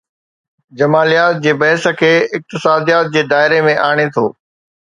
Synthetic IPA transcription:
d͡ʑɐmaːlijaːt̪̚d͡ʑeːbɐɦɪsə̆kʰeːɪk̚t̪ɪsaːd̪ijaːt̪̚d͡ʑeːd̪aːɪɾemẽʔaːɽ̃et̪ʰoː

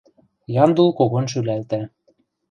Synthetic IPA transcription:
jɑnd̪ulˠkoɣonʃ̬ylælt̪æ

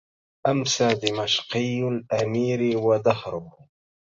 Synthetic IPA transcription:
ʔamsaːd̪ɪmaʃqɨjːlʔamiːɾwad̪ahɾˤʊb

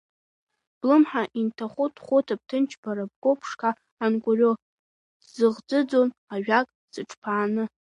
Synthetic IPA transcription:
b̥lɨmħaʔintʰaχʷʊtʰχʷʊtʰap̚tʰɨnt͡ʃʰbaɾab̚ɡʷopʰʂkʰaː | nkʷʼʊrʲo | zɨʁd͡zɨd͡zonaɥᶣakʼ | sɨʈ͡ʂʰʼpʰaːnɨ

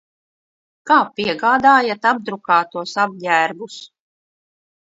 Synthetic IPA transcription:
kaːpʲiɛɡaːd̪aːjat̪ab̚d̪ɾukaːt̪uɔsab̚dʲæːɾbus

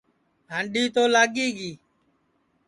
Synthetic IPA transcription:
ɦaɳɖiːt̪oːlaːɠiːɡiː

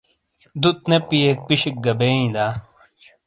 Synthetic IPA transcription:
d̪ut̪̚nepːijek̚piɕik̚ɡɐbeːĩd̪aː

